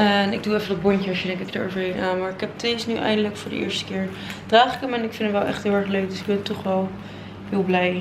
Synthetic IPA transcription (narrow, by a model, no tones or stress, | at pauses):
ənɪɡ̚duɛfəndɔt̚bɔncəɑsjədɛŋkɛkdəo̰ːvəredənʔaːmaːɹɪkɦɛp̚tesnyʔɛ̰jndələkfʊːɹdə̰ʔɪ̰ːɹstə̥kɪːɹ | d̥raːχɪkəmɛnɪkfɪ̃ndəmʋɛlˠʔɛ̰χtɦɪːlˠɛɹχløɥk̚dɵsɪɡ̚bɛntɔχʋɛlˠ | ɦɪːlˠblɛj